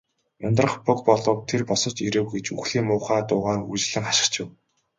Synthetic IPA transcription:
ʊnt̪rə̆χpʊk̚pɔɮɞ̆wt̪ʰerpɔsɞ̆t͡ɕiɾɘ̆wɡet͡ɕuxɮiːmʊːχaːt̪ʊːʁaːrut͡ɕ̆ɮɘ̆ŋχaʃɪ̆kt͡ɕʊw

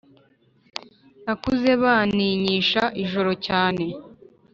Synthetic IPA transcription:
nakuze̞βaniɲiːʃaʔiʒo̞ɾo̞caːne̞

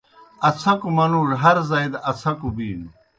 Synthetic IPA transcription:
ɐt͡sʰɐkumɐnuːɽɦɐɾzajd̪ɐt͡sʰɐkubiːn

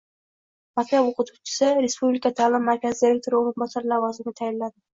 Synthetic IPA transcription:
makʲt̪apoqʰʊt̪ʰut͡ʃʰɪ̥sɪɾe̞spublikat̪ʰaːlˠɪmːaɾkʲʰazɪd̪iɾe̞k̚t̪ʰoɾɪoɾɨnbɒsaɾlavɒzɪnɪt̪ʰajɪllad̪ɪ

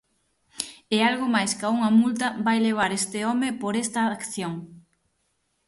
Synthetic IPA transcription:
ealɣʊmajskauŋɐmult̪ɐbajleβ̞aɾest̪ɪɔmɪpoɾɛst̪ɐkθjoŋ

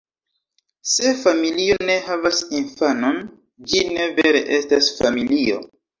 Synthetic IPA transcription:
se̞familio̞ne̞havasinfano̞n | d͡ʒine̞ve̞ɾe̞̰ʔe̞stasfamilio̞̰

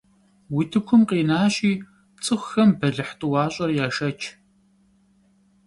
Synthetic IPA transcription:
witʰɨkʷʰʊmqiːnaːɕʼiː | t͡sʼɨxʷxɐmbɐɮɨħtʼɨwɑːɕʼɐrjaːʃɐt͡ʃʰ

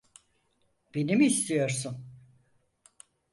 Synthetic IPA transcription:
b̥enimiːst̪ʰijo̞ɾsun

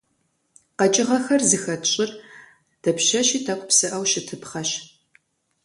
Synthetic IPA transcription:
qɐt͡ʃʼɪʁɐxɐrzɨxɐtɕʼɪr | d̥ɐpʃɐʃiːtʰɐqʷʼpsɨʔɐwʃɪtʰɨpχɐɕ

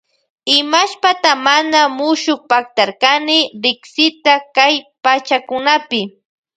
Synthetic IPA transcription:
ɪmaʃpat̪amanamʊʃʊk̚pak̚t̪aɾkanɪɾɪksɪt̪akajpat͡ʃakʊnapɪ

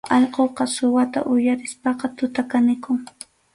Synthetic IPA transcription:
ɑʎqoqɑsʊwat̪a̰ʔʊjaɾɪspɑqɑt̪ʊt̪akanɪkʊŋ

